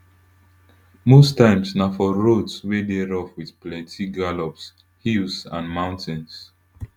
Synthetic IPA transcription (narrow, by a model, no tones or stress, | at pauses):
mostãɪ̃msnafɔɹotswedeɹɔfwiðplɛ̃ntʰiɡalɔps | hilsãnmãʊ̃ntɪ̃ns